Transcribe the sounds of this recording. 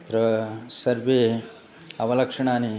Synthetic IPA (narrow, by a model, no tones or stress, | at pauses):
t̪ɾɐsɐɾʋeː | ɐʋɐlɐkʂɐɳaːni